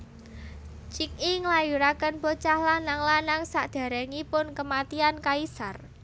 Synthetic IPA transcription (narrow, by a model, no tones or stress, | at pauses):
t͡ʃik̚iŋlajuɾakənpot͡ʃahlanaŋlanaŋsaʔd̪̥a̤ɾɛŋipʊnkəmat̪iankaisar